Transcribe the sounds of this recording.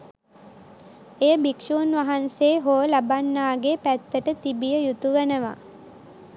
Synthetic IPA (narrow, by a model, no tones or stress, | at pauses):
ejəbikʃuːnʋaɦanseːɦoəlabanːaːɡepæt̪ːəʈət̪ibijəjut̪uʋenəʋa̰